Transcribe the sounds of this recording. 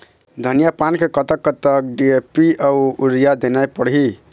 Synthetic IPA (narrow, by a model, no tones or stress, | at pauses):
d̪ʱənijapankekət̪əkːət̪ək̚ɖiepiauuɾijad̪enajpəɽɦi